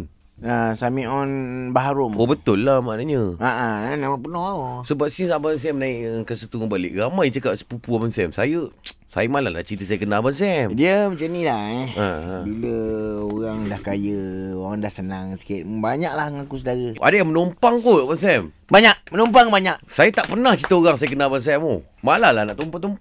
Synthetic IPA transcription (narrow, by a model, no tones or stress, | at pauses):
asamĩʔɔnbaɦaɾʊmobət̪ʊlːamanaɲəaʔanamãpənɔhaosəbap̚sisabans̬ɛmnaiʔkəsət̪uŋabalɪ̰ʔɣamajt͡ʃəkaʔ̚sə̥pupuabansɛmsajəsa̰jəmalahla̰t͡ʃint̪əs̬ajəkənabans̬ɛmdiəmət͡ʃənilaɛa̰biləoɣaŋdahkajəoɾaŋdahsənaŋsi̥kɪt̪̚baɲaklahŋakusədaɾəʔa̰dəjamənompaŋk̪oʔbans̬ɛm | baɲaʔmənompaŋbaɲaʔsajət̪aʔpənaht͡ʃit̪əoɾaŋsajəkənalbans̬ɛmo | malahlanaʔt̪ompat̪ɔmp